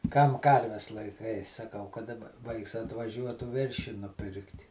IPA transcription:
kɐm ˈkɐrʲʋʲɛs lˠɐɪˈkɐɪ sɐˈkɐʊ kɐ dɐˈbɐ ˈʋɐɪks ɐtʋɐˈʒʲuɔtuː ˈʋʲɛrʲʃʲiː nʊˈpʲɪrktʲ

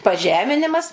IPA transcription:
pɐˈʒʲæːmʲɪnʲɪmɐs

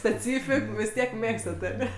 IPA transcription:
sʲpʲɛˈt͡sʲiːfʲɪk ʋʲɪs ˈtʲiɛk ˈmʲeːkstɐt ɐˈnʲɛ

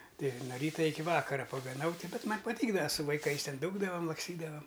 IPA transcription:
ˈtɐɪ noː ˈrʲiːtɐ ˈɪkʲɪ ˈʋɑːkɐrɐ pɐɡɐˈnɐʊ ˈtʲɪ ˈbʲɛt ˈmɐnʲ pɐˈtʲiːɡdɐʋɐ sʊ ʋɐɪˈkɐɪs ˈtʲɛn ˈduːɡdɐʋɐm lˠɐksʲˈtʲiːdɐʋɐm

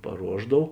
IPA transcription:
pɐˈruɔʒdɐw

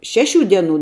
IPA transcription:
ˈʃʲæːˌʃʲuː ˈdʲiɛˌnuː

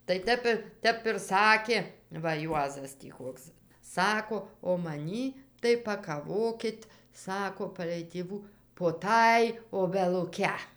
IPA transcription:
tɐɪ ˈtʲɛp ɪ ˈtʲɛp ɪr ˈsɑːkʲeː ʋɐ ˈjuɔzɐs tʲiː ˈkoːks ˈsɑːkoː oː mɐˈnʲiː tɐɪ pɐkɐˈʋoːkʲɪt ˈsɑːkoː pɐlʲɛɪ tʲeːˈʋuː poː ˈtɑːj oːbʲɛlˠʊˈkʲɛ

